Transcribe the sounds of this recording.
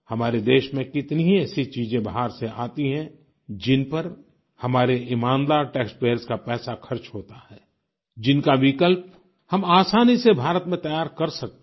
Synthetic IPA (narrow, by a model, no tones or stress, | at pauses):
hɐmaːɾed̪eːʃmẽkɪt̪niɦiɛːsit͡ʃiːzẽbɐɦaːɾseʔaːt̪iɦɛ̃ | d͡ʒɪnpəɾ | hɐmaːɾeʔɪmaːnd̪aːɾʈɛːkspeːəɾskapɛːsakʰɐɾt͡ʃɦoːt̪ahɛː | d͡ʒɪnkaʋɪkəlp̚ | hɐmaːsaːnisebʱaːɾət̪mẽt̪ɐjaːɾkɐɾsɐk̚t̪